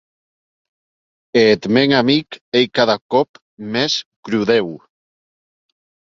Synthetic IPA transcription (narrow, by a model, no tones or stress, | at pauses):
et̪meŋamikejkaðakɔp | meskɾuðew